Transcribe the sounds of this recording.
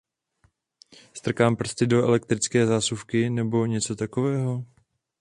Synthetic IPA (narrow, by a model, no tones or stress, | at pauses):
st̪r̩kaːmpr̩st̪ɪdo̞ɛlɛk̚t̪ɾɪt͡skɛːzaːsufkɪnɛbo̞ɲɛt͡so̞t̪ako̞vɛːɦo̞